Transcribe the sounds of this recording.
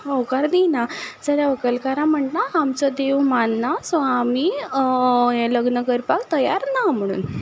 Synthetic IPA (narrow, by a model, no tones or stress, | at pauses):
okaɾd̪inad͡zəɾjaʋəkəlkaɾãm̤əɳnaːmt͡sɔd̪eʋmanːasɔ̃ami | jɛ̃ləɡnəkəɾpakt̪əjaɾnam̤əɽ̃ṵːn